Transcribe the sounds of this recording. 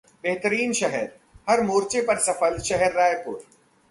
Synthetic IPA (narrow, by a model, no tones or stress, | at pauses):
beɦt̪əɾiːnʃɐɦɛɾ | hɐɾmoːɾt͡ʃepɐɾsɐfəlʃɛɦɛɾːaːjpuːɾ